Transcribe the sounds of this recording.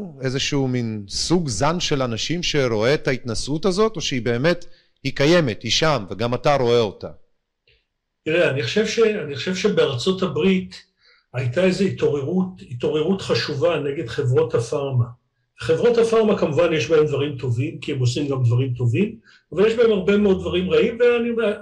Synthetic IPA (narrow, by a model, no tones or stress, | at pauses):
ezeʃuːminsuɡzanʃe̞lanaʃimʃe̞ɾo̞e̞tait̪nasutazo̞to̞ʃeibe̞ːme̞t | hikaje̞me̞thiʃamveɡamataɾo̞eo̞ta̰ | tiʁeaniχoʃe̞vʃeaniχoʃe̞vʃe̞beaʁt͡so̞thabʁit | ajt̪aezeito̞ʁeʁutito̞ʁe̞ʁutχaʃuvane̞ɡe̞d̪χe̞vʁo̞thafaʁma | χe̞vʁo̞thafaʁmakamuvanjeʃbaemd̪vaʁimt̪o̞vimkiemosimɡamd̪vaʁimt̪o̞vim | avaljeʃbae̞maʁbe̞meo̞d̪̚d̪vaʁimʁaimveaniode